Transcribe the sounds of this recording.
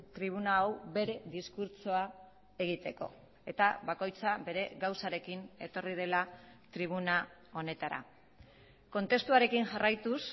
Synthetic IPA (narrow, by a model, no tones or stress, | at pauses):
t̪ɾiβ̞unaːwbe̞ɾe̞ðiskuɾt͡soa | e̞ɣ̞it̪e̞ko̞̰ | e̞t̪aβako̞jt͡saβe̞ɾe̞ɣawsaɾe̞kine̞t̪o̞rið̞e̞lat̪ɾiβ̞unao̞ne̞t̪aɾa̰ | ko̞nt̪e̞st̪uaɾe̞kinʝarʔajt̪us